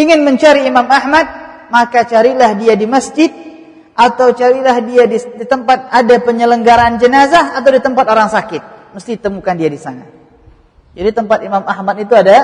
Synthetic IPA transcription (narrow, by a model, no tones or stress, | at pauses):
iŋɪnməɲt͡ʃaɾiːmamahmat̪̚ | makat͡ʃaɾilahdiadiməsd͡ʒɪt̪̚ | ʔat̪awt͡ʃaɾilahdiadidit̪əmpat̪̚adapəɲələŋɡaɾaːnd͡ʒənazahat̪awdit̪əmpat̪oɾaŋsakɪt̪̚məst̪it̪əmukandiadisa̰na̰ | d͡ʒadit̪əmpat̪imamahmat̪̚it̪uada